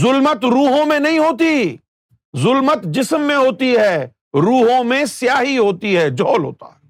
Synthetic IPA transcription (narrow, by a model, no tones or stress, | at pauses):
zʊlmət̪ɾuːɦõmẽnɐɦĩɦoːt̪i | zʊlmət̪d͡ʒɪsmːẽɦoːt̪iɦɛː | ɾuːɦõmẽsjaːɦiɦoːt̪iɦɛːd͡ʒɔːlɦo̰ːt̪a̰ːɦɛː